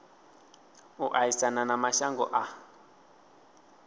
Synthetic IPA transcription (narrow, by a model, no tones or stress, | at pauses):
uʔaisananamaʃaŋɡɔ̰ʔa